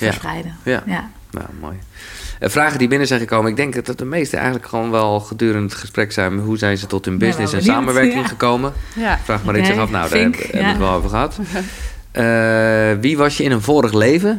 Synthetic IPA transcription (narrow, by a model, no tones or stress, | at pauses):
ja̰ɛjdəja̰ | na̰mo̰ːj | əfraːɣəndibɪnəzɛjnxəkoːmənɪɡ̚dɪŋkdɔt̚dəmejstəʔɛ̰jɣəndləkxəonʋɛlˠxədyːɾəndxəsprɛksɛjnɦuzɛjnzətɔtynbɪsnɪssɛnsaːməʋɛɹkɪŋχəkowməfraːxmaɾɪsɪxɔfna̰wdɛ̰bəkʋɔlˠo̰vəxəɦat | ə | ʋiʋɔsjəɪnənvoːɾəxleːvə